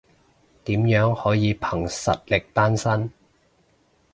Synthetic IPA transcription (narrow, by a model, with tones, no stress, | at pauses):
t̪iː˨˥mjœː˨˥ŋhɔː˨˥jiː˨˧pʰɐ˨˩ŋsɐ˨t̚lɪ˨k̚t̪aː˥nsɐ˥n